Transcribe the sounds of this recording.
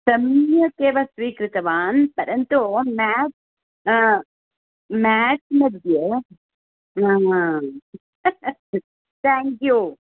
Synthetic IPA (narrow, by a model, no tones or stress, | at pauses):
sɐmjɐkeːʋɐsʋiːkɾɨt̪ɐʋaːnpɐɾɐnt̪oːmaːʈ | maːʈmɐd̪jɐ | aː | t̪ʰaːŋkju